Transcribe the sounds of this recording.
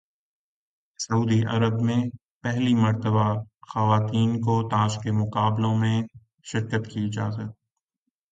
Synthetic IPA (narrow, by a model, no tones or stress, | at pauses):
sɐuːd̪iʔɐ̰ɾəbmẽ | pɛɦlimɐɾt̪əbaxɐʋaːt̪iːnkot̪aːd͡ʒkemʊqaːblõmẽ | ʃɪɾkət̪kiɪd͡ʒaːzət̪̚